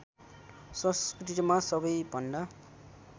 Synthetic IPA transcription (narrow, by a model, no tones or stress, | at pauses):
sʌskiʈiɾmasʌbʌjbʱʌnd̪a